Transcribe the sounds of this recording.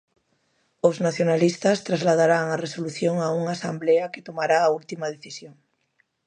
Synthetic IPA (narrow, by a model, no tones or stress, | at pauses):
oznaθjonalist̪ɐst̪ɾazlaðaɾaŋaresoluθjoŋauŋaːsambleɐket̪omaɾaːult̪imað̞eθisjoŋ